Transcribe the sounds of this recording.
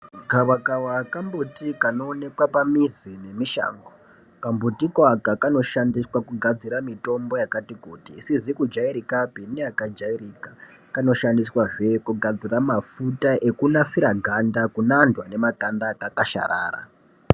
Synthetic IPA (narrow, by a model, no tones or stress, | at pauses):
ɡʱawakawakambutikano̞ːne̞kwapamizine̞miʃa̰ːŋɡo | kambutikwakakano̞ʃandiswakuɡʱad͡ziɾamito̞mbo̞jakatikuːtiːsizikud͡ʒaiɾikabʱiniakad͡ʒairika | kano̞ʃandiswaʐe̞kuɡʱad͡ziramafutaʔe̞kunasiɾaɡʱandakunandwane̞matandakakaʃa̰ɾa̰ːra̰